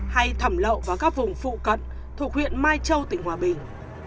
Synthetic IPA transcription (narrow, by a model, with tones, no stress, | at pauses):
ha˧jt̪ʰə˧˩mlə̰˧˨wvaː˨˩kaː˦˥k̚vʊ˨˩ŋ͡mfṵ˧˨kə̰˧˨n | t̪ʰu˨˩ək̚wḭ˧˨ənmaː˧jt͡ɕə˧wt̪ï˧˨˩ŋ̟hwaː˨˩ɓï˨˩ŋ̟